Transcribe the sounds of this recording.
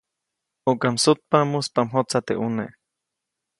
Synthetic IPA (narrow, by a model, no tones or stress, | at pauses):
ukamsut̪̚pamuspamɦot͡sat̪eʔunḛʔ